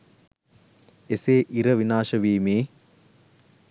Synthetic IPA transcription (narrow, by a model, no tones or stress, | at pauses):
eseːʔiɾəʋinaːʃəʋiːmeː